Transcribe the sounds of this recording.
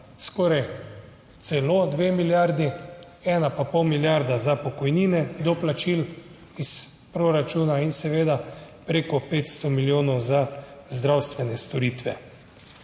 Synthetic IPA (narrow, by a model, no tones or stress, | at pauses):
skɔːɾaj | t̪sɛlod̪ʋeːmiljaɾd̪i | ɛːnapapɔwmiljaɾd̪azapɔkɔjniːnɛd̪ɔplat͡ʃil | is | pɾoɾat͡ʃuːnainsɛʋeːd̪apɾeːkɔpeːt̪st̪ɔmiljoːnɔwzazd̪ɾawst̪ʋɛnɛst̪ɔɾiːt̪ʋɛ̰